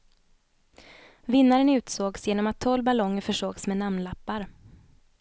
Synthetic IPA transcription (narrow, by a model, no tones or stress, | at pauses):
vɪnːaɾənʉ̟ːt̪soːɡsjeːnɔmat̪ʰːɔlːbalɔŋːfœʂoːɡsmeːnamnlapːaɾ